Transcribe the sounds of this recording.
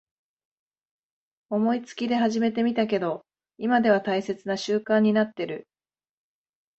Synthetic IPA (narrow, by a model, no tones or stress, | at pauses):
o̞mo̞it͡sɨ̥kʲid̪e̞ɦaʑime̞t̪e̞mʲit̪ak̬e̞d̪o̞ | imad̪e̞βat̪aise̞t͡sɨnaɕɨːkãɲ̟ːinat̪ːe̞ɾɯ̟